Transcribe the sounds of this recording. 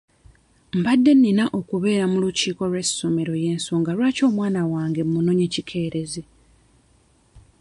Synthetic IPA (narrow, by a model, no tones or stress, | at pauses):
m̩badːe̞nːinaʔo̞kuβe̞ːɾamuluciːko̞lwe̞sːo̞me̞ɾo̞je̞ːnsoːŋɡalwaːco̞ːmwaːnawaːŋɡe̞mmuno̞ɲe̞cikʰe̞ːɾe̞ze